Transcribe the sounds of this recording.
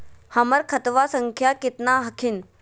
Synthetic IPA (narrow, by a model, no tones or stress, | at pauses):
hɐməɾkʰɐt̪ʋasəŋkʰjakɪt̪naɦɐkʰin